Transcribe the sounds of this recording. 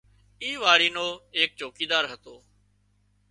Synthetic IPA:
iːʋaːɽiːnoːeːk̚t͡ʃoːkiːd̪aːɾɦət̪oː

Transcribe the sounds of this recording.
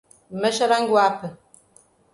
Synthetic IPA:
məʃaɾaŋɡwapə

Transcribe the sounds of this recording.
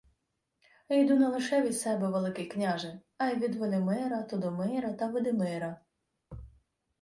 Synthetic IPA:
ejd̪unɐlˠɪʃɛʋʲid̪sɛbɛʋelˠɪkɪjknʲaʒɪ | ɐjʋʲid̪ʋɔlʲɪmɪɾɐt̪ɔd̪ɔmɪɾɐt̪ɐʋɪd̪ɪmɪɾɐ

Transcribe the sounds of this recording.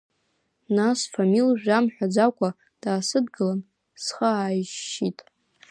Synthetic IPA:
nasfamilʒᶣamħʷᶣad͡zakʷʼa | d̥aːsɨdɡɨlan | sχəaːjʒitʼ

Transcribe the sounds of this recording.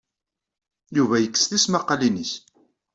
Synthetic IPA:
juvæjəkːə̥sθismɑqːɑliniç

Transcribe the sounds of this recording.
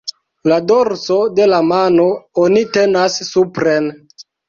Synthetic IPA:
ladoɾso̞de̞lamanoonite̞nasːupɾen

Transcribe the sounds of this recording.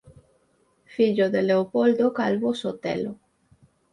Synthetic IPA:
fiʎoðeleopold̪okalβosot̪ḛlo

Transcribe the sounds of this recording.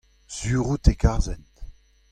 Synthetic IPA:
z̥yːʁut̪ekaʁzɛnt

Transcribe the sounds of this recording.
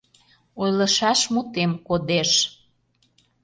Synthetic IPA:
ojləʃɑʃmut̪emkod̪eʃ

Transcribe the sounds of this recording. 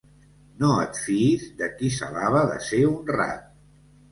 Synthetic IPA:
noət̪fiizd̪əkisa̰laβəðə̰seunra̰t̪̚

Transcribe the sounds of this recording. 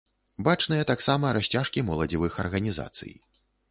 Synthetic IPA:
bat͡ʂnɨjɐt̪aksamɐɾaɕʲt͡sʲaʂkʲimɐlˠɐd͡zʲivɨxɐrɣɐnʲiza̰t̪sɨ̰j

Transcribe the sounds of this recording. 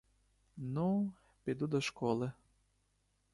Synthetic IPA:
nu | pʲid̪ud̪ɔʃkɔlˠɪ

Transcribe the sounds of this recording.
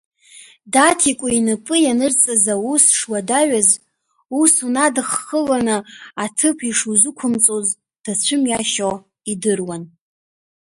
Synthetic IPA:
datʰikʷʼʊinɨpʼɨjanɨrt͡sʼazausʂwadaɥaz | usunadχːəlanɨatʰɨpʰiʂuzɨkʷʰʊmt͡sʼoz | d̥at͡ɕʷʰɨmjaʃo | idɨrwan

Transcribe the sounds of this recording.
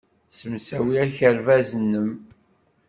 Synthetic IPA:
səmsæwiæçəɾvæzənːəm

